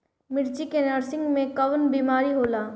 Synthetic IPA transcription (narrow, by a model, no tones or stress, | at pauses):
mɪɾt͡ʃikenəɾsɪ̃ŋɡmẽkɐʋənbiːmaːɾiɦoːlaː